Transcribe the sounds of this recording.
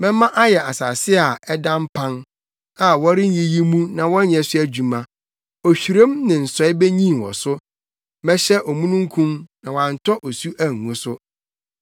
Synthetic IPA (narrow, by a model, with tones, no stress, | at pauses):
mɛ̃˦mã˦ʔa˦jɛ˨ʔa˨saː˨sɪ˦a˨ɛ˦dã˦m̩˦pʰã˦n | a˨wɔ˦ɾɪ˦ɲĩ˦ji˦mũ˦nã˨wɔ̃˦ɲɛ̃˨sʊ˦æ˦d͡ʑᶣu˨mã˨ | ɔ˨ɕᶣi˨ɾẽ˦mnɪ̃˨n̩˨sɔ˨˦ɪ˦be˦ɲĩ˦˨wɔ̰˨sʊ˦ | mɛ̃˦ɕɛ˦ʔɔ˨mũ˦nũ˦ŋ̩˦kʰũ˦mnã˨wã˨n̩˨tʰɔ˦ʔɔ˨su˦ʔæ˨ŋ̩˨ŋũ˨˦sʊ˦